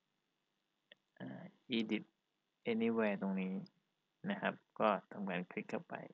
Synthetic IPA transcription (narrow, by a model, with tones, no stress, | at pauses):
ʔaː˧˩ʔiː˧di˨˦˩t̪̚ | ʔe˧ni˧˩wɛː˧t̪o˧ŋniː˦˥ | na˦˥kʰa˦˥p̚kɔː˥˩t̪ʰa˧mkaː˧nkʰɾi˦˥t̚kʰːa˥˩wpa̰˧j